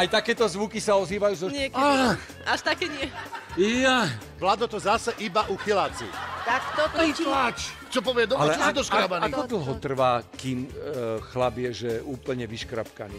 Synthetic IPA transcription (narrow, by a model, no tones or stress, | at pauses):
ajt̪akɛːt̪ɔzʋukisaɔziːʋajuːzɔɲɪɛka | aʃt̪akɛːɲɪɛja | plad̪ɔt̪ɔzasɛʔibaʔuxilaːt͡sḭt̪akt̪ɔt̪ɔat͡ʃt͡ʃɔpɔʋɪɛd̪ɔalɛd̪ɔʃkabanaiɔd̪l̩ɦɔt̪r̩ʋaːkiːmxlabɪjɛʒɛʔuːpl̩ɲɛʋiʃkɾa̰pka̰nḭ